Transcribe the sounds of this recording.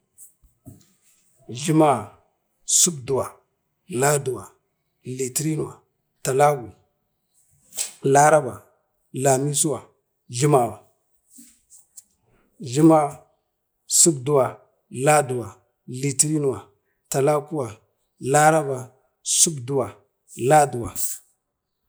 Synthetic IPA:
ɮi˦ma˦ | su˦bdu˨wa˨ | la˦du˨wa˨ | li˨ti˦ɾi˦nu˨a̰˨ | ta˨la˦ɡu˨ | la˦ɾa˦ba˨ | la˨mi˦su˦wa˨ | ɮi˦ma˨wa˨ | ɮi˦ma˦ | su˦bdu˨˦wa˨ | la˦du˨wa˨ | li˨ti˦ɾi˦n˨wa˨ | ta˨la˦ku˦wa˨ | la˦ɾa˦ba˨ | su˦bdu˨wa˨ | la˦du˨wa˨

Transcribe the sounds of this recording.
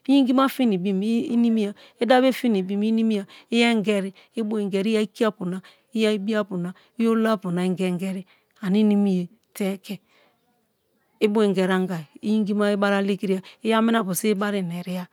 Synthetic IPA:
i˦ji˦ŋɡi˦m˦a˦fi˦ni˨bi˦m˦i˦ni˦mi˦ja˨ | e˦da˦be˦fi˦ni˨bi˦m˦i˦ni˦mi˦ja˨i˦jɛ˦ŋ˦ɡɛ˦ɾi˦ | i˦bo˦e˨ŋɡe˨ɾi˦a˦i˦ki˦a˦pu˨na˨ | i˦ja˦i˦bi˦a˦pu˨na˨ | i˦jo˦la˦˨pu˨na˨i˨ŋ˦ɡe˦ŋ˦ɡe˦ɾi˦ | a˨ni˦ni˦mi˦je˨ | te˦kɛ˨ | i˦bo˦e˨ŋɡe˨ɾa˦ŋ˦ɡa˨i˦ji˦ŋ˦ɡi˦ma˦i˦ba˦ɾa˦le˦ki˦ɾi˦a˨i˦ja˦mi˦n˦a˨pu˨se˦ba˦ɾi˨ne˨ɾi˦a˦

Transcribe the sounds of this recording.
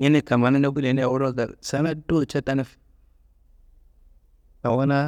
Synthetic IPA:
ji˦ni˦ka˨ma˨na˦na˦bu˦de˨ni˦a˨wu˦ɾo˦˨ɡa̰˨sa˦na˦do˦t͡ʃa˦ta˦na˦f | ka˨wa˦na˦

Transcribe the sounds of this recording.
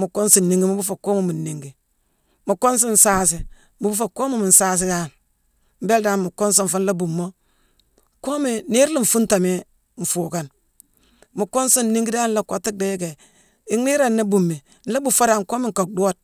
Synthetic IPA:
mu˨ko˦nsi˨n˨ni˦˨ŋɡi˦mu˦bu˦fa˨ko˦mo˨mi˨nːi˨ŋɡi˨ | mu˨kːo˦ns̬i˦n̩˨saː˦si˦ | mu˨bu˦fa˨ko˦mo˦mi˨n̩˨saː˦s̬i˦da˦˨n | m̩˨˦be˦ldaː˨˦nmu˨ko˦ns̬o˦ɱ̩˨fu˦n̩˦la˦bu˨mːo˦ | ko˦mi˨ni˦ɾli˦˨ɱ̩˨fu˦nta˨mi˦ | ɱ̩˨fuː˨ka˨n | mu˨kːo˦nsi˦n˨ni˦ŋɡi˦da˦n˦la˦ka˨ti˦de˨˦jke˨ | i˦ŋni˦ɾa˨nːa˦bu˨mːi˨ | n̩˦la˦bu˨fa˦da˨nko˦mi˦ŋ̩˨ko˨k̚do˦˨t̚

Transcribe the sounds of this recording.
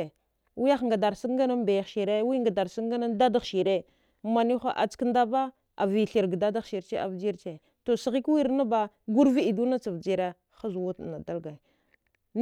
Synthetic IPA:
wi˦ja˦xŋɡa˨da˨ɾsi˦kɡa˦na˦nba˨ja˨ʃi˨ɾe˦wi˦ŋɡa˨da˨ɾsi˦kɡa˦na˦nda˦da˦xʃi˨ɾe˦ | ma˨ni˦xʷa˦ʔa̰˨t͡sknda˦ba˦ | a̰˨vi˨ɬi˨ɾɡda˦da˦˨ʃi˨ɾt͡ʃe˦a̰˨vd͡ʒi˦ɾt͡ʃe˨ | to˨si˨ɣi˦kwi˦ɾna˦ba˦ɡu˦ɾvi˦i˨du˦na˦t͡sa˨vd͡ʒi˨ɾa˦ | xa˦zwu˦tna˨da˦lɡa˨ | n

